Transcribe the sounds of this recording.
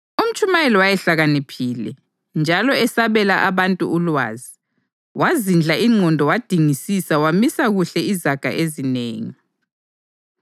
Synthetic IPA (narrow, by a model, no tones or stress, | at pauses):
um̩t͡ʃʼumajɛlɔwajɛɬaɣanipʰiːlɛ̰ | nd͡ʒʱalɔɛsaβɛlaʔaβantʼṵulwa̰ːzi | wʔazind͡ɮʱaʔiŋ͡ǀʱɔndʱɔwad̥ʱiŋisisawamisaɣuɬɛizaɡ̥ʱa̰ʔezineːŋi